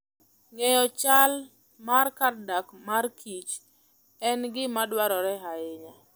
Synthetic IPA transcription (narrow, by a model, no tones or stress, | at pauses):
ŋɛjɔt͡ʃal | markardakmarkʰit͡ʃ | ɛnɡɪmadwaɾɔɾɛɦaɪɲa